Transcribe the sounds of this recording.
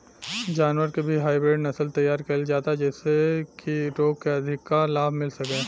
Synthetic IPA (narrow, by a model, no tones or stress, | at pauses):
d͡ʒaːnʋəɾkebʱiɦaːɪbɾeːɖnɐsəlt̪ɐjːaːɾkɐld͡ʒaːt̪aɛd͡ʒɛːsekiɾoːɡ̚keɐd̪ʱɪkːalaːbʱmɪlsɐkeː